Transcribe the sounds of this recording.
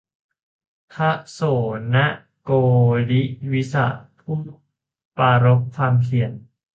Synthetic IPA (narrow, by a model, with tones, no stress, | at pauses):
t̪ʰa˦˥ʔsoː˨˩˦na˦˥ʔ | koː˧li˦˥ʔwi˦˥sa̰˧˩ʔpʰu˥˩˨m | paː˧ɾo˦˥k̚kʰwaː˧mkʰi˨˩˦ən